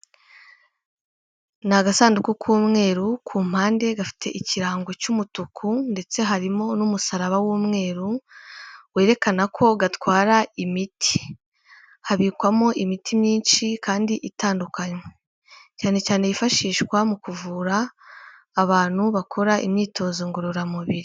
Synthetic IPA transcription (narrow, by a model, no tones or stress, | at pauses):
naɡasaːndukukʰuːmŋe̞ːɾukʰuːm̥haːnde̞ɡafi̥tʰe̞̰ʔiciɾaːŋɡo̞cumutukʰunde̞t͡se̞ɦaɾimo̞numusaɾaβawuːmŋe̞ːɾu | we̞ːɾe̞kanakʰo̞ɡatwaːɾaimitʰi̥ | haβiːkwamo̞ʔimitʰimɲiːnʃikaːndiʔitaːndukaɲwe | caːne̞caːne̞jifaʃiːʃkwamukuvuːɾaː | βaːn̥huβakʰo̞ɾaʔḭmɲiːtʰo̞ːzoŋɡoɾoɾamuβiɾi